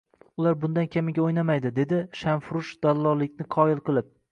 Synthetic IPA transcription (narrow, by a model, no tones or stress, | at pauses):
ʊlaɾbʊnd̪ankʲamɪɡʲaojnamajd̪ɪd̪e̞d̪ɪʃanfɾʊʃd̪̥alˠːɒlɪkʲnɪqʰɒɪlˠqɨlˠɪp̚